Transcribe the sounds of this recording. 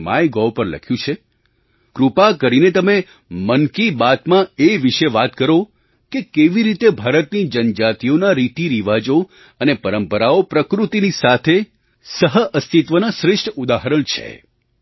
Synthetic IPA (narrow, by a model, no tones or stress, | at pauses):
ma̰jɡɔwpəɾlə̰kʰjũt͡ʃʰe | kɾupakəɾinet̪əme | mənkibat̪mãeʋɪʃeʋat̪kəɾo | kekeʋiɾit̪ebʱaɾət̪nid͡ʒənd͡ʒat̪ionaɾit̪iɾiʋad͡ʒo | ənepəɾəmpəɾaopɾəkɾut̪inisat̪ʰe | səɦəʔəst̪it̪ʋənaʃɾɪʃʈʰud̪aɦəɾəɳt͡ʃʰḛ